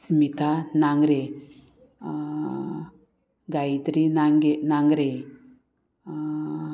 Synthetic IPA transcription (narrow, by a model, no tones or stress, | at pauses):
smit̪ʰanaŋɡɾe | ɡajt̪ɾinaŋɡenaŋɡɾe